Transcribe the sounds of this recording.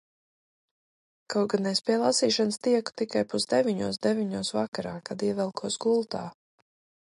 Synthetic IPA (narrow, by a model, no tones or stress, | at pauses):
kawɡanɛjspʲiɛlˠasiːʃanst̪iɛku̥t̪ikajpuzd̪ɛvʲiɲuɔsd̪ɛvʲiɲuɔsvakaɾaːkad̪iɛvɛlˠkʰuɔsɡulˠt̪a̰ː